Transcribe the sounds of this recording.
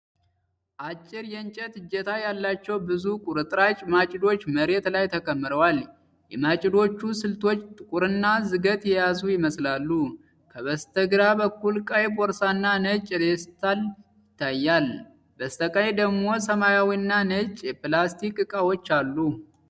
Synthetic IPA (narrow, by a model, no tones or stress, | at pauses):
ʔat͡ʃʼːɪɾjɛnt͡ʃʼət̪ɨd͡ʒːɛt̪ʰajalːat͡ʃːɛwbɨzukʼuɾɨt̪ʼɾat͡ʃʼmat͡ʃʼɪd̪o̞t͡ʃːməɾe̞t̪lajt̪ʰəkʼəmːɨɾəwal | jɛmat͡ʃʼɪd̪o̞t͡ʃːusɨlt̪ʰo̞t͡ʃːt̪ʼɨkʼuɾɨnːazɨɡət̪ʼjɛjazujɪməslalːu | kʰəβəst̪ʰəɡɾabəkːulkʼajbɔɾsanːanət͡ʃʼd̪est̪ʰal | jɪt̪ʰːajːal | bəst̪ʰəkʼajed̪əɡmo̞səmajawinːanət͡ʃʼjɛpɨlast̪ʰikʼɨkʼawot͡ʃːalːu